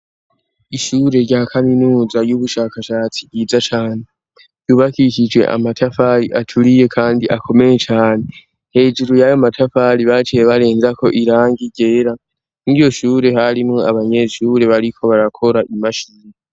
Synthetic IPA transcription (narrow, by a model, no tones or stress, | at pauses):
iʃuːɾe̞ɾɟakʰaminuːzajuβuʃaːkaʃaːt͡sijiːzat͡ʃaːne | juβakikid͡ʒwe̞̰ʔa̰matʰafaɾiʔatʰuɾije̞kʰaːndiʔakʰo̞me̞je̞t͡ʃaːne̞ | he̞ːd͡ʒuɾojajo̞matʰafaɾiβat͡ʃijeβaɾe̞ːnzakʰo̞ʔiɾaːŋɡiɟe̞ːɾa | niijo̞ʃuːɾe̞haɾimŋoaβaɲe̞ʃuːɾe̞βaɾikʰo̞βaɾakʰo̞ɾaʔimaʃiːna